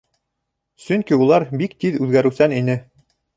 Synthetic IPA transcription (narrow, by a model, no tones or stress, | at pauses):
sɵ̆ŋkiulˠɑɾbikt̪iðʉðɡæɾʉ̆wsæninɘ